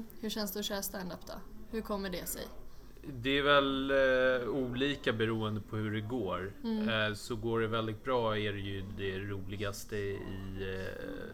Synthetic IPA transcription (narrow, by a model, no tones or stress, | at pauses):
hɵɕɛnsd̪ɛɔɕæːɾst̪ænd̪apd̪̥ɔ̰hɵɾkʰɔmːəɖɛsɛ̰j | d̪ɛæɾvɛl | uːliːkabɛɾuːənd̪əpʰɔhɵɖɛɡoːɾ | sɔɡoːɖɛvɛld̪ɪɡ̚t̪̚bɾɑːæɖɛjɵd̪ɛɾuːlɪɡast̪əɪ̰